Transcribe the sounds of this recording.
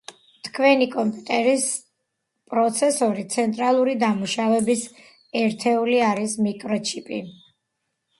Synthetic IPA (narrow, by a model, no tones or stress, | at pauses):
t̪ʰkʰwɛnikʼɔmpʼut̪ʼɛɾis | pʼɾɔt̪sʰɛsɔɾit̪sʰɛnt̪ʼɾalˠuɾid̪amuʃavɛbis | ɛɾt̪ʰɛuliaɾismikʼɾɔt͡ʃʰipʼi